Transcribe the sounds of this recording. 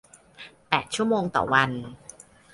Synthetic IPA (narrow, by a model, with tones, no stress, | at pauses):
pɛː˨˩t̪̚t͡ɕʰu˥˩əmoː˧ŋt̪ɔ̰ː˨˩wa˧n